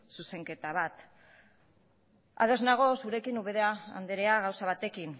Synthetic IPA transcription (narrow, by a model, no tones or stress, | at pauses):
suse̞ŋke̞t̪aβat̪ | a̰ð̞o̞znaɣ̞o̞suɾe̞kinuβeðeaa̰nd̪eɾeaɣawsaβ̞at̪e̞kin